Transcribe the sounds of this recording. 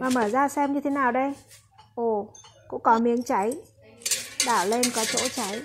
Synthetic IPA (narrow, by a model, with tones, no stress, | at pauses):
maː˨˩məː˧˩zaː˧sɛ˧mɲɨ˧t̪ʰe˨˦naː˨˩wɗə˧j | ʔo˧˨˩kʊ̰˧˥ŋ͡mkɔ˨˦mi˨˦əŋt͡ɕa˨˦j | ɗaː˧˩wle˧nkɔ˨˦t͡ɕo̰˧˥t͡ɕa˨˦j